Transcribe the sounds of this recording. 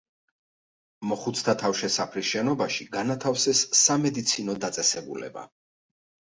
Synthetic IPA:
mɔχut̪sʰt̪ʰat̪ʰafʃɛsapʰɾisʃɛnɔbaʃiɡanat̪ʰafsɛsːamɛd̪it̪sʰinɔd̪at̪sʼɛsɛbṵlɛ̰ba̰

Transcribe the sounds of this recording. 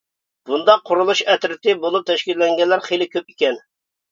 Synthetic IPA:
b̥und̪ɑqʰːʊɾulˠuʃɛt̪ɾɪt̪ɪbolˠup̚t̪ʰɛʃkʲilːɛŋɡʲɛnlːæɾχejlɪkʲʰøp̚ikʲɛn

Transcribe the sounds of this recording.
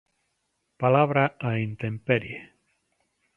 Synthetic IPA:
palaβɾaaint̪empeɾje

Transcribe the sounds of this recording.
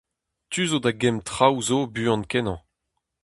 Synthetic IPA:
t̪yzodaɡɛmtχawzobyɑ̃nkɛnɑ̃

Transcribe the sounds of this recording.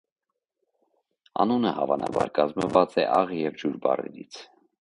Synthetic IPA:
ɑnunəhɑvɑnɑbɑɾkɑzməvɑt͡sɛʔɑʁjɛvd͡ʒuɾbɑrɛɾit͡sʰ

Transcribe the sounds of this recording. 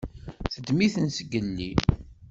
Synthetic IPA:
θəd̪miθənsəɡːənːi

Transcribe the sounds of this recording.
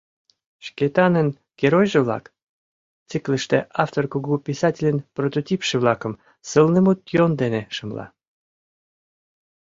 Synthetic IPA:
ʃket̪ɑnən | ɡ̥ʲeɾojʒə̆βlɑ̰k | t͡sɨkləʃt̪eʔɑft̪orkuɡupʲisɑtʲelʲenprot̪ot̪ʲipʃəβlɑkəm | səlnəmut̪jond̪eneʃəmlɑ̰

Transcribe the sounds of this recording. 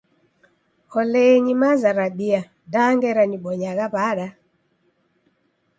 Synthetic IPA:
ɔlɛɲimazaɾaɓia | daŋɡɛɾaniɓɔɲaɣaβaɗa

